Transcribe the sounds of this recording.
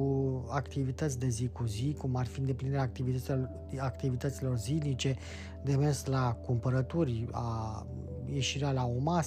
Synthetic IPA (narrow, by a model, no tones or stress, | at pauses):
uakt̪ivit̪ət̪sʲd̪e̞zikuzikumarfiɨnd̪eplinid̪eɾak̚t̪ivi | akt̪ivit̪ət̪silo̞rzilnit͡ʃe̞ | d̪e̞mesklakumpəɾət̪urʲa̰ | je̞ʃiɾealaomas